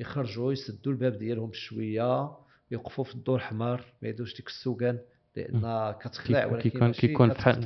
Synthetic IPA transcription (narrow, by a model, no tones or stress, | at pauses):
jəxɑɾˤʒujsəd̪ːulbæbd̪jælhʊmʃwəjːa | jəqfufid̪ˤːoɾħmɑɾˤmæjæd̪uʃd̪ikə̥sːukæn | lə̰ʔə̰nːækæt̪ə̥xləʕwlæəunf